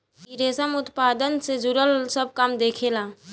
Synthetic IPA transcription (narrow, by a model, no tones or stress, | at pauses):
iɾeːsəmʊt̪paːd̪ənsed͡ʒʊɾəlsəb̚kaːmd̪eːkʰelaː